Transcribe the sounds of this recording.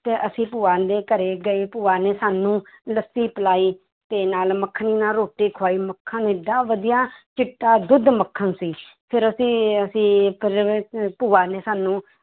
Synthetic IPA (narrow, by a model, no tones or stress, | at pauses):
t̪eːʔəsĩːpuːaːnd̪eːkəɾeːɡəeːpuːaːneːsaːnũːləsiːpəlaːiː | t̪eːnaːlməkʰːniːnaːɾoːʈeːkʰwaːiːməkʰːənɪɖaːʋəd̪ijaːt͡ʃɪʈːaːd̪ʊd̪məkʰːənsiː | pʰɪɾəsĩːəsĩːpəɾpuːaːneːsaːnũː